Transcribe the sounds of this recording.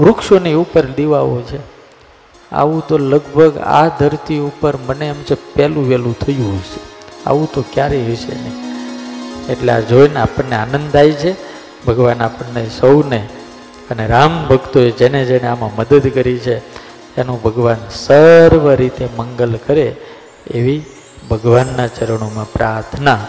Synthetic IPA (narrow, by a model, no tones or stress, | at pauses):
ɾukʃoniupəɾd̪eʋaʋot͡ʃʰe | a̰ʋũt̪oləɡ̚bʱəɡa̰d̪ʱəɾt̪iupəɾməneəmsepɛlũʋɛlũt̪ʰəjũɦɔjʃea̰ʋũt̪okjaɾeɦɔʃḛnəi | eʈlead͡ʒojneapəɳneanə̃nd̪ajt͡ʃʰe | bʱəɡʋanapəɳːesəwne | əneɾambʱəɡt̪oed͡ʒened͡ʒeneamãməd̪əd̪kəɾit͡ʃʰe | t̪anũbʱəɡʋansəɾʋəɾit̪eməŋɡəlkəɾe | eʋi | bʱəɡʋanːat͡ʃəɾəɳ̃omãpɾaɾt̪ʰna